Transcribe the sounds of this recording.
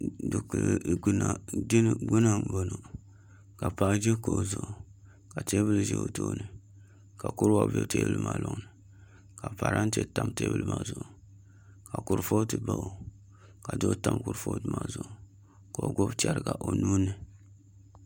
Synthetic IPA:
dɨ˨kna˨d͡ʒɪ˦n˦ɡʊ˦na˦bo˨no˨ | ka˨pa˨˦d͡ʒe˦ko˨zʊ˨ʔʊ˨ | ka˨te˦bɨ˦lɨ˦˨ʒɛ̰˦o̰˨to˦nɨ˨ | ka˨kʊ˦ɾwa˨bḛ˦˨te˦bɨ˦lɨ̰˦ma˨lʊ˦ŋnɨ˨ | ka˨pa˨ɾʔa˦n˦te˦ta˦mte˦bɨ˦lɨ˦ma˦zʊ˨ʔʊ˨ | ka˨kʊ˨ɾfo˦tɨ˨ba˦ʔo˨ | ka˨do˦ta˦mkʊ˨ɾfo˦tɨ˦ma˨˦zʊ˨ʔʊ˨ | ka˨o˨ɡo˦bt͡ʃɛ˨ɾɨ˨ɡa˨ʔo˨nuː˦nɨ˨

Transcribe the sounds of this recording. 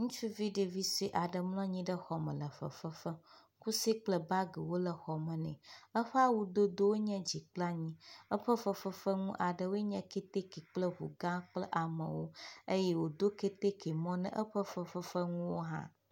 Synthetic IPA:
ŋũ˦t͡ʃu˦vi˦ɖe˨vi˦si˦ʔa˨ɖə˨mlɔ̃˦ɲĩ˦ɖə˦xɔ˨mə̰̃˨lə˨fə̰˨fə˦fə˦ | ku˦si˦k͡plə˨ba˦ɡə˨wo˦lə˨xɔ˨mə̃˨nɛ̰̃˨ə˦ɸə˦a˦wu˨d̪o˦d̪o˦wo˦ɲɛ̃˦d͡ʑi˨k͡pla˦ɲĩ˦ə˦ɸə˦fə˦fə˦fə˦ŋũ˦ʔa˨ɖə˨wo˦ɲɛ̃˦ke˦t̪e˦ki˨k͡plə˦ɦṵ˨ɡã˦k͡plə˦ʔa˨mə̰̃˨wo˦ə˦jɛ˦wo˨d̪o˦ke˦t̪e˦ke˨mɔ̃˦nə̰̃˦ʔə˦ɸə˦fə˦fə˦fə˦ŋũ˦wo˦ɦã̰˦

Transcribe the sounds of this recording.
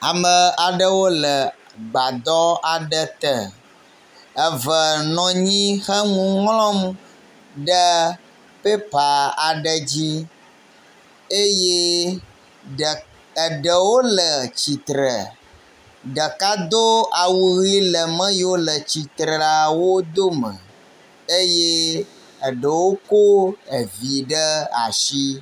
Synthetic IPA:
a˨mə̃˨a˨ɖə˦wo˦lə˨ | ɡ͡ba˨d̪ɔ˦a˨ɖə˦t̪ə˨ | ə˨və˨nɔ̃˨ɲĩ˦xə˦ŋũ˦ŋlɔ̃˦m | ɖə˦ | pe˦pa˨a˨ɖə˨d͡ʑi˦ | e˦je˦˨ | ə˨ɖə˨wo˦lə˨t͡ɕi˨t̪ɾə̰˨ | ɖə˨ka˦d̪o˦a˨wu˨ɣi˦lə˨mə̃˦jo˦lə˨t͡ɕi˨t̪ɾə˨a˨wo˦d̪o˦mə̰̃˨ | e˦je˦ | ə˨ɖə˨wo˦ko˦ə˨vi˨ɖə˦a̰˨ʃi˦

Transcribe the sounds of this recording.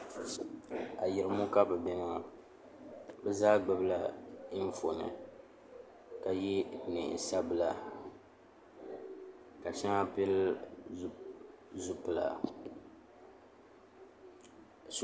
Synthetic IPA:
a˨ji˨ɾɨ˨mu˦ka˦bɨ˨bɛ˦na˦a˨ | bɛ˦zaː˦ɡ͡bɨ˦˨bɨ˦la˦ɱ̩˦fo˨nɨ̰˨ | ka˨ji˦nɨ̰˨sa˦bɨ˨la˨ | ka˨ʃi˦na˦pɛ˦l | zu˦pɨ˨la̰˨

